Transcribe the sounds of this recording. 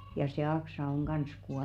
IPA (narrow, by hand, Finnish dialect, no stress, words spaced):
jɑ se ɑksɑ on ɡ̊ɑns kuɑlu